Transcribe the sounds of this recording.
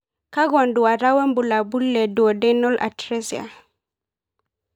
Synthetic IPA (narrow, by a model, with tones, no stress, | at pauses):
ka˦ɣɔ˨ndu˨wa˨ɾa˦wɛ˦mbu˨la˨bu˦lːɛ˨du˨ɔ˨dɛnɔ˦lʔa̰˨tɾɛ˦sia̰˨